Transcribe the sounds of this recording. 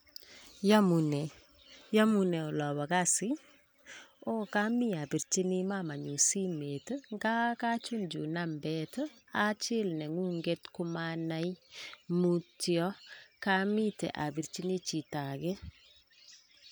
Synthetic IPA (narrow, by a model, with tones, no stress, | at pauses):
ja˦mu˨nɛ˨ | jɔ˦munɛ˨ɔ˨lɔ˨bɔ˨ka˦sɪ˦ | o˦ka˦mi˦a˨bi˨ɾt͡ʃi˦ni˦mama˨ɲu˨si˦me˨təŋɡa˦ka˦t͡ʃu˦ɲd͡ʒu˨na˦mbɛtə | a˦t͡ʃɪ˦lnɛ˨ŋu˦ŋɡe˦tkʊ˦mana˦jmu˦tjɔ˦ka˦mi˦tɛ̰˨ʔa˨bi˨ɾt͡ʃi˦ni˦t͡ʃi˨ta˨kɛ˦